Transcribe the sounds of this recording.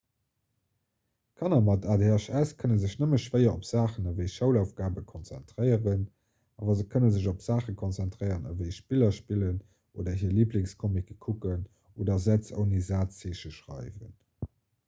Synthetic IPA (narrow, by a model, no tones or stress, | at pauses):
kʰɑnɐmɑtaːdeɑʃæskʰənənzəɕnəməʃvɜɪɐopz̥aːχənəvəɪʃəʊlaʊfɡ̥aːbəkʰont͡sæ̰ntʁəɪəʁən | ʔa̰ːvɐzəkʰənənzəʑopz̥aːχəkʰont͡sɛntʁɜɪəʁənə̰vəɪʃpilɐʃpilən | ʔo̰ːdɐɦiːliːplɪŋskʰomikəkʰukən | ʔoːdɐzæt͡sə̰ʊnizaːtt͡seːʃəʃʁɑ̰ɪvə̰n